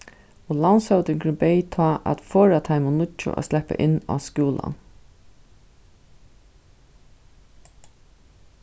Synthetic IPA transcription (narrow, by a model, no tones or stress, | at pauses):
ɔlansœwt̪ɪŋkɾɪnpɛjt̪ʰɑːʔæ̰t̪fɔːɹat̪ʰaɪmʊnʊt͡ʃːʊ̰ʔa̰slɛpa̰ʔɪnːa̰skuːla̰n